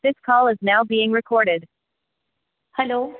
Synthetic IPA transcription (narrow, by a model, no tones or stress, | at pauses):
ðɪskʰɔlˠɨznaʊbiɪ̃ŋɹɨkʰɔɹɾɪd̥ | hɛloʊ